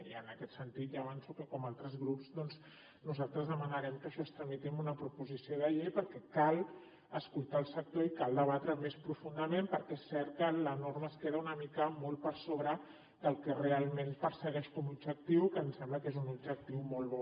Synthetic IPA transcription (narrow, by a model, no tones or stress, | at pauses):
iənəkɛt̪sənt̪it̪ʒaβansukəkɔmalˠt̪ɾəzɣɾupzd̪ɔnz | nuzalˠt̪ɾəzðəmənəɾɛmkəʃɔst̪ɾəmit̪imunəpɾupuzisioðəʎejpəɾkɛkalˠ | əskulˠt̪aːlˠsək̚t̪oikalˠd̪əβ̞at̪ɾəmespɾufund̪əmempəɾkɛesːɛɾt̪̚kələnoɾməːskeðəunəmikəmolˠpəɾsoβɾə | d̪əlˠkɛrealˠmenpəɾsəɣɛʃkɔmubd͡ʒək̚t̪iwkənsɛmbləkezunubʒək̚t̪iwmɔlˠβɔ